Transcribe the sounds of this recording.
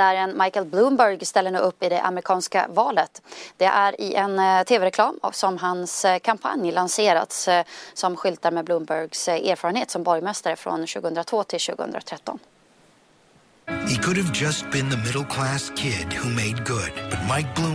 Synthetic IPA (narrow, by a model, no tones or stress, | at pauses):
d̪æɾɛnmajkəlbluːmbœɾɡst̪ɛlːəɳʉːɵpːɪd̪ɛʔa̰mɾɪkʰɑːnska̰vɑːlət̪d̪̥ɛʔæɾɪʔɛnt̪ʰeːvɛɾɛkʰlɑːmɔ̰sɔmɦanskʰampʰa̰njlanseːɾa̰t̪sːɔmɧʏlt̪aɾmɛːbluːmbœɾɡseːɾfɑːɾənheːt̪sɔmbɔɾjmɛst̪aɾəfɾɔ̰nɕʉːɡəhɵənd̪ɾat̪v̥oːt̪ʰɪlɕʉ̟ːɡə̰ɵ̰nd̪ɾa̰t̪ʰɾɛt̪ːɔ̰n | hikʰʊɾɨvd͡ʒʌst̚b̥ɨ̃nðəmɪɾl̩ˠkʰl̥æskʰɪdhumeɪd̚ɡʊd̥̚b̥ʌt̚maɪk̚b̥lũ